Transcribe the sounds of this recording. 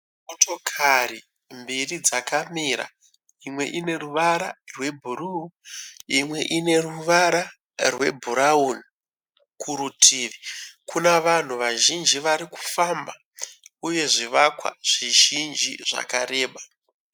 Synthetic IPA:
moto̞kʰari | mbirid͡zakamiɾa̰ | imwe̞̰ʔine̞ruʋaɾarwe̞bʱuru | imwe̞̰ʔine̞ruʋaɾa | rwe̞̰bʱuɾauni | kʰuɾutʰiːʋikʰunaʋan̤uʋaʒind͡ʒiʋaɾiku̥famba | uje̞ʐiʋakwa̰ʐ̥iʒind͡ʒḭʐa̰kaɾe̞ːɓa

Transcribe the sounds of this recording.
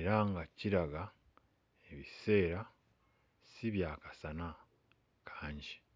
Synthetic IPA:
eɾaŋɡaciɾaɡa | eβise̞ːɾa | siβjaːkḁsana | kʰaːɲɟi̥

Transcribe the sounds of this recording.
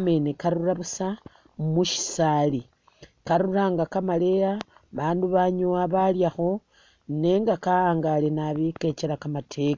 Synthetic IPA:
me̞nekaɾuraβusa | muʃi̥sali | kaɾuraːŋɡakamale̞ja | βaːnduβaɲuwaβaljaxo̞ | neːŋɡakaaːŋɡalenaβike̞t͡ʃeɾakamatʰe̞ka

